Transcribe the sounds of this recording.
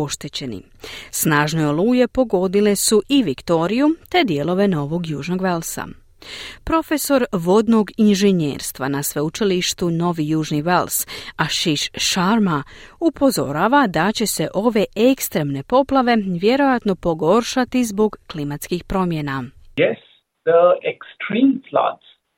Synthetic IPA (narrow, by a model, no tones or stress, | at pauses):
o̞ʃt̪et͡ɕe̞nḭ | snaːʒne̞oluːje̞po̞ɡo̞d̪ile̞suʔiʋikt̪o̞ːɾijut̪e̞d̪je̞lˠo̞ʋe̞no̞ʋo̞ɡjuːʒno̞ɡʋe̞lsa̰ | pɾo̞fe̞so̞ɾʋo̞d̪no̞ɡinʒeɲjḛːɾst̪ʋa̰nasʋeut͡ʃiliʃt̪uno̞ʋijuːʒniʋelsaʃiʃʃaɾmaupʰo̞zo̞̰ɾaːʋad̪at͡ɕe̞se̞ʔo̞ʋe̞ekst̪ɾe̞mne̞po̞plˠaʋe̞ʋje̞ɾo̞jat̪no̞po̞ɡo̞ɾʃat̪izbo̞ɡːlimat̪skixpɾo̞mjenajɛs | d̪̥əeksʈɾĩːmfla̰ds